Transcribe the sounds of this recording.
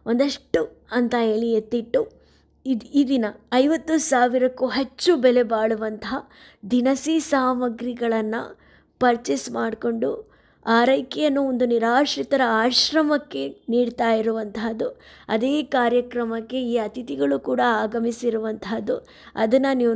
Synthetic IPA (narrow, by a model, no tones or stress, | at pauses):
ond̪ɐʂʈːu | ɐnt̪ɐe̞ːɭiet̪ːiʈːu | id̪id̪inɐɐjʋɐt̪ːusaːʋiɾɐkːuɦet͡ʃːubɛlebaːɭuʋɐnt̪ɐɦɐ | d̪inɐsiːsaːmɐɡɾiɡɐɭɐnːṵ | pɐɾt͡ʃesmaːɖko̞ɳɖu | aːɾɐjkijɐnːuond̪uniɾaːʃɾit̪ɐɾɐaːʃɾɐmɐkːe̞niːɽt̪aːjiɾuʋɐnt̪ʰad̪ːuɐ̰d̪eːkaːɾjɐkɾɐmɐkːe̞iːɐt̪it̪iɡɐɭukuːɽɐaːɡɐmisiɾuʋɐnt̪ʰad̪ːu | ɐ̰d̪ɐnːɐniː